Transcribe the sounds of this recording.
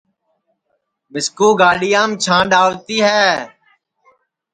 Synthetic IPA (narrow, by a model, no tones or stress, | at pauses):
bɪskuːɡaːɗɪjaːmt͡ʃʰãːɗaːʋt̪iːɦɛː